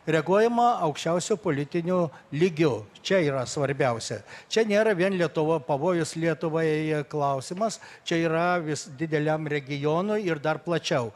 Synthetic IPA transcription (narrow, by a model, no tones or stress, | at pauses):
rʲɛɡuɔjɛmɐɐʊkʃʲt͡ʃʲɛʊsʲʊpoːlʲɪt̪ʲɪnʲuːlʲiɡʲʊt͡ʃʲɛiːɾɐsʋɐɾʲbʲɛʊsʲɛt͡ʃʲɛnʲeːɾɐʋʲiɛnlʲiɛt̪ʊʋopɐʋoːjʊslʲiɛt̪ʊʋɐɛɛklˠɐʊsʲɪmɐst͡ʃʲɛiːɾɐʋʲɪsd̪ʲɪd̪ʲɛlʲɛmrʲɛɡʲɪjoːnʊɪɪrd̪ɐrplˠɐt͡ʃʲɛʊ